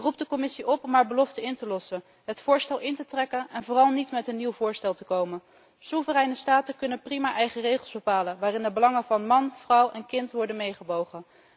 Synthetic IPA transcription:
rup̚dəkɔmɪsiʔɔpɔmɦaːɹbəlɔftəɪntəlɔsən | ɦətfʊːɹstɛlˠʔɪntətrɛkənɛnvʊːrɑlˠnitmɛtənːiwvʊːɹstɛlˠtəkowmən | suvərɛjnəstaːtəkɵnənprimaːʔɛjχərejχəlˠzbəpaːlənʋaːrɪndəbəlɑŋənvɑnmɑnv̥rʌwɛnkɪntʋɔɹdənmejχəbowχə

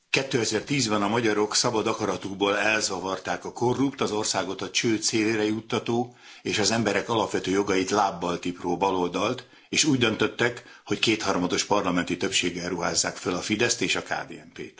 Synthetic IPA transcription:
kɛt̪ːøːɛzɛrt̪iːzbɛnɒmɒɟɒɾo̞ksɒbɒd̪ɒkɒɾɒt̪uɡboːlɛlzɒvɒrt̪aːkɒko̞rːupt̪ɒzo̞rsaːɡo̞t̪ɒt͡ʃøːt̪seːleːɾɛjut̪ːɒt̪oː | eːʃɒzɛmbɛɾɛkɒlɒpʋɛt̪øːjo̞ɡɒjit̪laːbːɒlt̪iproːbɒlo̞ld̪ɒlt̪ | eːʃuːɟd̪ø̞nt̪ø̞t̪ːɛkho̞ckeːt̪hɒrmɒd̪o̞ʃpɒrlɒmɛnt̪it̪ø̞pʃeːɡɛrːuɦa̰ːzːaːkfølɒfid̪ɛst̪eːʃɒka̰ːd̪ḛːɛmpḛːt̪

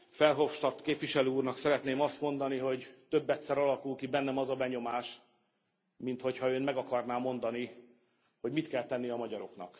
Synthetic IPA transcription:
fɛlɦo̞fʃt̪ɒt̪keːpviʃɛløːuːrnɒksɛɾɛt̪neːmɒst̪mo̞nd̪ɒniɦo̞ɟt̪ø̞bːɛt̪sɛɾɒlɒkulkibɛnːɛmɒzɒbɛɲo̞maːʃ | mint̪ho̞chɒøːnmɛɡɒkɒrnaːmːo̞nd̪ɒni | ho̞ɟmit̪kɛlt̪ɛnːijɒmɒɟɒɾo̞knɒ̰k

